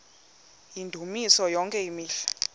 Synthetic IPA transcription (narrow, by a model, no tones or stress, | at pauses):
jindʱumisɔjɔŋkʼɛjimiːɬḁ